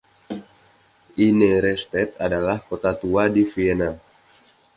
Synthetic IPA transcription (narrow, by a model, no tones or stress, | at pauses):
ʔineɾɛst̪ɛt̪̚adalahkot̪at̪uadifiena